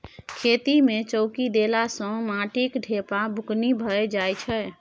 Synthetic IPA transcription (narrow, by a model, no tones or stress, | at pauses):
kʰet̪imet͡ʃəʊkid̪elasə̃mãʈikɖʱepabʱuknibʱəed͡ʒajt͡ʃʰɛ